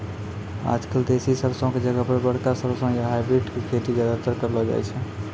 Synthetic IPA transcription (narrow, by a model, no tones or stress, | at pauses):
a̰d͡ʒkəld̪esisəɾsə̃ked͡ʒəɡəpəɾbəɽkasəɾsə̃jaɦajbɾiʈkekʰet̪id͡ʒjad̪ət̪əɾkəɾlɔd͡ʒa̰jt͡ʃʰɛ